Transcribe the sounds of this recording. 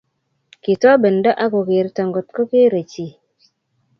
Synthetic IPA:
ki˨tɔ˦bə˨nda˦ʔa˦ko˨ke˨ɾta˨ŋɡo˨t̚ko˦ke˦ɾe˨t͡ʃi˨

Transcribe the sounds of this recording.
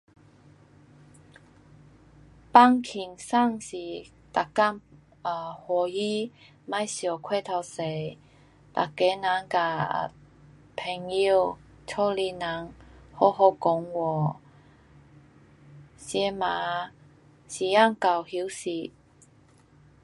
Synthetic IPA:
pa˦˧ŋkʰi˨˩ŋsa˥˨ŋsi˨˩ | t̪a˨˩ka˥˨ŋ | ə˨˩hwɔ˨˩ji˦ | ma˧˨jɕjɔ˨˩kʰwe˥˧t̪ʰa˧se˨˩˨j | t̪a̰˨˩ke˨˦nã˨˦ŋka̰˧˩˨ | pʰɛ˨˩ŋi˧w | t͡ɕʰɔ˥˧li˧na˨˦ŋhɔ˧˦ɦɔ˧kɔ˨˦ŋwɔ˨˩ | ɕjɛ˧ma˨˦ | ɕi˨˩a˥˧˨ŋka˨˩whi˧˦wsi˨˩

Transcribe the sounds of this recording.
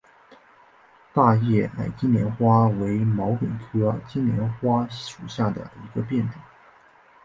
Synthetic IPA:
t̪a˥˧jɛ˥˩a̰˨˩ɪt͡ɕi˥njɛ˧˥nxwa˥we˧˥ɪmɑ˧˥ʊkə˨˩nkʰɤ˥t͡ɕi˥nnjɛ˧˥nxwa˥ʂu˨˩ɕja˥˩d̪ə̰˩i˧˥ɡə˧pjɛ˥˩nʈ͡ʂwʊ˨˩˦

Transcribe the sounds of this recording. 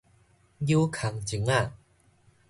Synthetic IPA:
ji˧wkʰa˨˩ŋt͡si˨˩˦ŋa˧˩

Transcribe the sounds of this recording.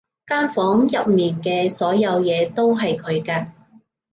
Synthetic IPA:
kaː˥nfɔː˨˥ŋjɐ˨p̚miː˨nkɛː˧sɔː˨˥jɐ˨˧wjɛː˨˧t̪o˥wɦɐ˨jkʰɵ˨˧ɥkaː˧

